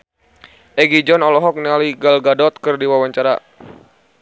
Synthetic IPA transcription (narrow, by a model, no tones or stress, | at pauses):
ʔɛɡid͡ʒɔnɔlɔɦɔk̚nialiɡalɡadɔt̪̚kɨrdiwawaɲt͡ʃaɾa̰